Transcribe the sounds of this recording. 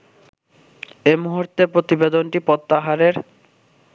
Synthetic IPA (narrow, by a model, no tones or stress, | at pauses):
emuɦuɾt̪epɾot̪ibed̪onʈipɔt̪ːaɦaɾeɾ